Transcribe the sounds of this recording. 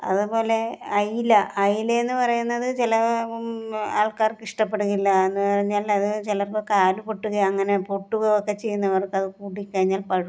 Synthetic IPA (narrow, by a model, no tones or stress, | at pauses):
ɐ̰ðupo̞ːle̞ɐjilɐʔɐjilɐenːɨpɐrɐjunːɐðɨt͡ɕilɐ | aːɭkaːrkiʂʈɐpːe̞ɽuɣilːɐe̞nːɨpɐrɐɲːaːlɐðɨt͡ɕilɐrkɨkaːlupo̞ʈːuɣɐjɐŋːɐne̞po̞ʈːuɣɐokːe̞t͡ɕe̞jːunːɐʋɐrkɐðɨkuːɽikːɐɻiɲːaːlpɐɻu